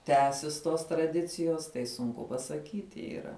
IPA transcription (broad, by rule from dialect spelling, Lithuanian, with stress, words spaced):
ˈtʲæːsʲɪs toːs trɐˈdʲɪt͡sʲɪjoːs tɐɪ sʊŋˈkʊ pɐsɐˈkʲiːtʲɪ iːˈrɐ